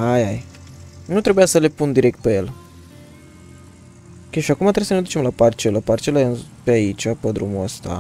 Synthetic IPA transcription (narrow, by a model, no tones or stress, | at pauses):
ajaj | nut̪ɾe̞bujasəle̞pund̪iɾe̞k̚t̪̚pejel | kʲeʃiakumat̪ɾeuisəned̪ut͡ʃe̞mlapart͡ʃeləpart͡ʃelanpeait͡ʃʲapəd̪ɾumuəst̪a̰